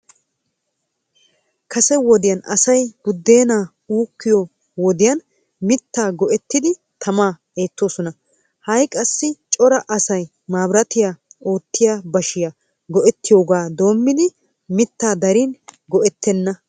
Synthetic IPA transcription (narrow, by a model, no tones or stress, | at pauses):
kʰɐsɛwɔd̪ɪjɐnɐ̰sɐjɡ̥ʊd̪ːe̞ːnaː | uːkːɪjɔ | wɔd̪ɪjɐn | mɪt̪ːaːɡɔʔɛt̪ːɪd̪ɪ | t̪ʰɐmaː | e̞ːt̪ːo̞ːsɔnɐ | hɐjkʼɐsːɪt͡ʃʼɔɾɐʔɐsɐj | maːbɾɐt̪ɪjao̞ːt̪ːɪjaːbɐʃɪja | ɡɔʔɛt̪ːɪjo̞ːɡaːd̪o̞ːmːɪd̪ɪ | mɪt̪ːaːd̪ɐɾɪnɡɔʔɛt̪ːɛnːɐ